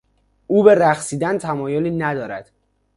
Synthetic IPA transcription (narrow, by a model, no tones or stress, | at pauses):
uːbe̞ɾæxsiːd̪ænt̪ʰæmɒːjoliːnæd̪ɒːɾæd̪̥